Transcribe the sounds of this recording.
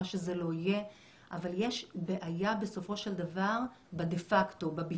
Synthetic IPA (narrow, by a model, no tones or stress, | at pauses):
ʃezelo̞ije | ʔavaljeʃbe̞ʔajabe̞so̞fo̞ʃe̞ldavaʁ | bedefakto̞babi